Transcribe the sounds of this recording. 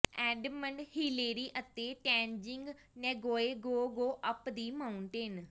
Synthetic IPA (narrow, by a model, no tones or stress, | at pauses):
ɛːɖməɳɖhiːleːɾiːʔət̪ːeːʈɛːnd͡ʒɪŋɡ | nɛːɡoːeːɡoːɡoːʔəpd̪iːmaːʊɳʈeːn